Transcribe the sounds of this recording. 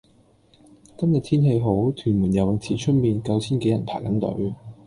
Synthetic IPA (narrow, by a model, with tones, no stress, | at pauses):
kɐ˥mjɐ˨˩t̪ʰiː˥nɦe˧jɦo˨˥wt̪ʰyː˨˩nmuː˨˩njɐ˨wɐ˨ŋt͡sʰiː˨˩t͡ʃʰɵ˥t̚miː˨˧nkɐ˧wt͡sʰiː˥nke˨˥jɐ˨˩npʰaː˨˩kɐ˨˥nt̪ɵ̰˨˥ɥ